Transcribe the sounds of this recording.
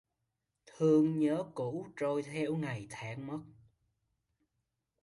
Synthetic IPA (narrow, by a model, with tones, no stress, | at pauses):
t̪ʰɨ˧əŋɲəː˨˦ku˧˥t͡ɕo˧jt̪ʰɛ˧wŋa˨˩jt̪ʰaː˨˦ŋmə˦˥t̚